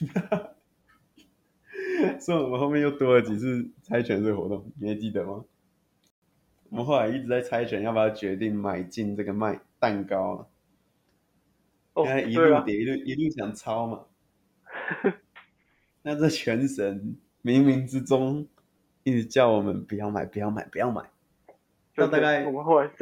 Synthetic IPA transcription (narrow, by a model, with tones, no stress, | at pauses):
sɔ˧˥i˨˩wɔ˨˩mə˦nxo˥˧ʊmɛ˥˧jo˥˩ʊt̪wɔ˥ə˧˦t͡ɕi˨˩t͡s̩ʰ˥˩t͡sʰa˥ɪt͡ɕʰɥɛ˧˦n̩˥˩˨xɔ̰˧˦t̪ʊ˥˩ŋi˨˧˩e˥˩ɪt͡ɕi˥t̪ə˨˩ma˨˩ | wɔ˨˩mə˨nxo˥˩ʊla˧ɪi˥˩t͡sɻ̩˧t͡sa˥˩ɪt͡sʰa˥ɪt͡ɕʰɥɛ˧˦njɑ˥˩ʊpa˨˩ɑ˥˩t͡ɕɥɛ˧˦t̪i˥˩ŋma˨˩ɪt͡ɕi˥˧ŋt͡sɤ˥˩ɡə˩ma˥˧˩ɪt̪a˥˨˩nkɑ˦ʊlə̰˨˩˥ | a˥˩ɪi˧˥u˥t̪jɛ˨˩i˧˦lu˥˧˩ʔi˧˦lu˥˩ɕjɑ˨˩ŋt͡sʰɑ˦˥ʊma̰˨ | na˥˧t͡sə˥˩t͡ɕʰɥɛ˧˥nʂə˧˦n | mi˧˥ŋmi˧˥ŋt͡sɻ̩˦t͡sʊ˥ŋ | i˥˧t͡s̩˧t͡ɕjɑ˥˩ʊwɔ˨˩mə˦npu˨˩jɑ˥˩ʊma̰˨˩ɪpu˧˥jɑ˥˩ʊma̰˨˩ɪpu˧˦jɑ˥˩ʊma̰˨˩˦ɪ | na˥˧t̪a˥˧ka˥˩ɪ˨˧˦